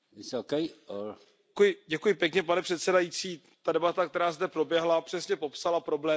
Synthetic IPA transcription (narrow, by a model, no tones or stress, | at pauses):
ɪsokejo | kjɪɟɛkujɪpjɛkɲɛpanɛpr̥ɛt̪sɛdajit͡siː | t̪adɛbat̪ak̚t̪ɛɾaːzdɛpɾo̞bjɛɦlapr̥ɛsɲɛpo̞psalapɾo̞blɛː